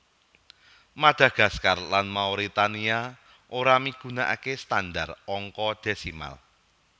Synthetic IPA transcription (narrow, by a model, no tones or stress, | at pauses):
mad̥a̤ɡ̥a̤skarlanmauɾit̪ania | ʔoɾamiɡ̥unaʔa̰kest̪andarɔŋkɔd̥e̤sima̰l